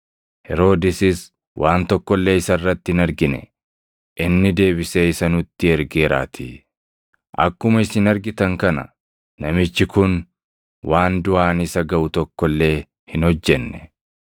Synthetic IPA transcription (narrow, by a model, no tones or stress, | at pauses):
hɛɾo̞ːd̪ɪsɪs | wʔaːnt̪ɔkːɔlːe̞ːɪsɐrːɐt̪ːɪhɪnɐɾɡɪnɛ̰ | ʔɪnːɪd̪e̞ːbɪseːɪsɐnʊt̪ːɪɛɾɡe̞ːɾa̰ːt̪ʰi | ʔɐ̰kːʊmɐɪsɪnɐɾɡɪt̪ɐŋkɐnɐ̰ | nɐmɪt͡ʃːɪkʊn | waːnd̪ʊʔaːnɪsɐɡɐʔʊt̪ɔkːɔlːe̞ː | hɪnhɔd͡ʒːɛnːɛ